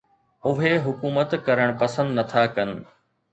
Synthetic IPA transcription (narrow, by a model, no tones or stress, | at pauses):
ʊɦeɦʊkuːmət̪kɐɾəɽ̃pɐsə̃nd̪nɐt̪ʰakɐn̆